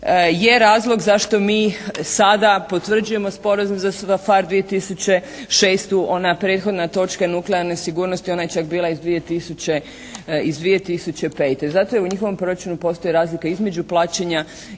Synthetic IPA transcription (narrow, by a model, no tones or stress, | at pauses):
je̞ɾaːzlˠo̞ɡzaʃt̪o̞miːsad̪apo̞t̪ʋr̩d͡ʒuje̞mo̞spo̞ɾazumzasafaɾd̪ʋije̞t̪isut͡ɕe̞ | ʃeːst̪uʔo̞napɾe̞ːt̪xo̞d̪nat̪o̞t͡ʃkanukleaɾnesiɡuːɾno̞st̪io̞najet͡ʃak̚biːlˠaizd̪ʋije̞t̪isut͡ɕe | izd̪ʋie̞t̪isut͡ɕe̞pe̞ːt̪ezat̪o̞jeuɲixo̞ʋo̞mpɾo̞ɾat͡ʃunupo̞st̪o̞jiɾaːzlikaizme̞d͡ʑuplˠaːt͡ɕeɲa